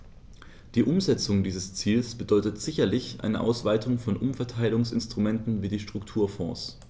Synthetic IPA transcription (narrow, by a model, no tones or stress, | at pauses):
d̥iːʔʊmzɛt͡sʊŋdiːzəst͡siːlsb̥ədɔʏtətz̥ɪçɐlɪçʔa̰ɪnəʔa̰ʊsv̥aɪtʰʊŋfɔnʔʊmfɛɐtʰaɪlɪʊŋsɪ̰nstʁ̥ʊmɛntn̩viːdiːʃtʁ̥ʊktʰuːɐfɔ̰̃ːs